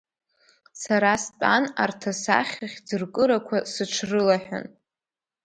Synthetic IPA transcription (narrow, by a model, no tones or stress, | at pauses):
saɾaspʼanartʰasa̰χʲaχʲd͡zɨrkʼɨɾakʷʰasɨʈ͡ʂʰrɨlaħᶣa̰n